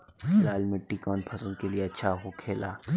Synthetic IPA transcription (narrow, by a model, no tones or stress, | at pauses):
xɪlaːlmɪʈːikɔːnpʰɐsənkelieɐtːʃʰaɦokʰeːlaː